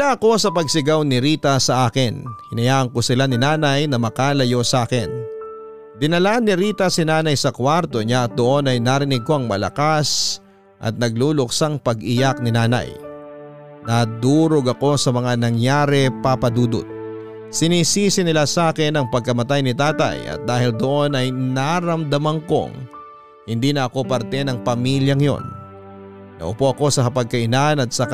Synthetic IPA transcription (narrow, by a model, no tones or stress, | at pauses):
ɪlaʔɐko̞sɐpɐɡ̚sɪɡawnɪɾiːt̪ɐsɐʔaːkɪnhɪnɐjaːʔɐŋko̞sɪlanɪnaːnɐjnɐmɐkaːlɐjo̞saːkɪn | d̪ɪnɐlanːɪɾiːt̪ɐsɪnaːnɐjsɐkwaɾt̪o̞ɲaʔɐt̪̚d̪oʔo̞nɐjnaːɾɪnɪɡ̚ko̞ɐŋmɐlɐ̰kas | ʔɐ̰t̪̚nɐɡ̚luːlʊk̚saŋpɐɡʔɪjak̚nɪnaːnɐ̰j | nad̪uːɾo̞ɡɐko̞sɐmɐŋanɐŋjaːɾɛpapɐd̪uːd̪ʊ̰t̪̚ | sɪniːsiːsɪnɪlasaːkɛnɐŋpɐɡ̚kɐmɐt̪ajnɪt̪aːt̪ɐ̰jʔɐ̰t̪̚d̪aːhɪld̪o̞ʔo̞nɐjnaɾɐmd̪ɐmɐŋko̞̰ŋ | hɪnd̪iːnɐɐko̞pɐɾt̪ɛnɐŋpɐmiljɐŋjo̞̰nː | ɐ̰ʔʊpo̞ʔɐko̞sɐkɐpɐɡ̚kɐʔɪnanɐt̪̚sɐk